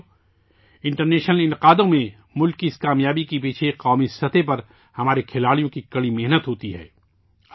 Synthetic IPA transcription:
ɪ̃ɳʈəɾnɛːʃnəlɪ̃nɪqaːd̪õmẽ | mʊlkːiɪskaːmjaːbikip̬iːt͡ʃʰeqaːmisɐt̪ʰepɐɾ | hɐmaːɾekʰɪlaːɽijõkikɐɽimeɦnət̪ɦoːt̪iɦɛ̰ː

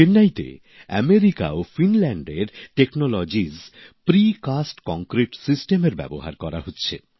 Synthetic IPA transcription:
enːajt̪ḛ | ɛ̰meɾika̰ofinlɛɳɖeɾʈeknolɔd͡ʑizpɾikasʈkɔŋkɾiʈsisʈemeɾbɛ̰boɦa̰ɾkɔɾa̰ɦotːɕʰe

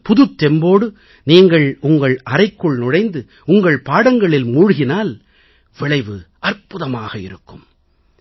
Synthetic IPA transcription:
pʊðɯt̪ːɛmboːɽɯ | niːŋɡɐɭʊŋɡɐɭʔɐɾɐɪkːɯɭnʊɽɐɪnd̪ɯ | ʊŋɡɐɭpaːɽɐŋɡɐɭɪlmuːɻɯɣɪnaːl | ʋɪɭɐɪʋɯʔɐrpʊðɐmaːɣɐɪ̰ɾɯkːɯm

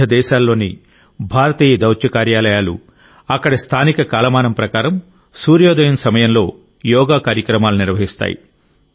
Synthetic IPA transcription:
ɐd̪ɛːʃaːlːo̞ːnḭ | bʱaːɾɐt̪iːjɐd̪ɐwt͡ʃjɐkaːɾjaːlɐjaːlṵ | ɐkːɐɽɐst̪ʰaːnikɐkaːlɐmaːnɐmpɾɐkaːɾɐm | suːɾjoːd̪ɐjɐnsɐmɐjɐmlo̞ː | jɔːɡaːkaːɾjɐkɾɐmaːluniɾʋɐɦist̪a̰ːjḭ

